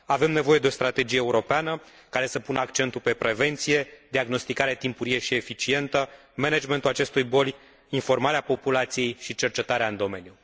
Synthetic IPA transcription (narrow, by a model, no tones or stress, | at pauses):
ave̞mne̞vo̞je̞d̪eo̞st̪ɾat̪e̞d͡ʒijeːuɾo̞peanə | kaɾe̞səpunəakt͡ʃe̞nt̪upe̞pɾe̞ve̞nt̪sije̞d̪iaɡno̞st̪ikaɾeat̪impuɾije̞ʃie̞fit͡ʃie̞nt̪ə | mened͡ʒment̪ulat͡ʃe̞st̪ujbo̞lʲ | info̞rmaɾeapo̞pulat̪sije̞jʃit͡ʃe̞rt͡ʃe̞t̪aɾeaɨnd̪o̞me̞nju